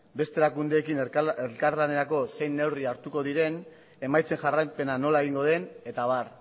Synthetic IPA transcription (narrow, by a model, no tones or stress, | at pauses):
be̞st̪e̞ɾakund̪e̞ːkinelkaɾlane̞ɾako̞se̞jnːe̞wriaɾt̪uko̞ðiɾe̞n | e̞majt͡se̞ŋʝarajpe̞nano̞lae̞ɣ̞iŋɡo̞ð̞e̞ne̞t̪aβ̞ar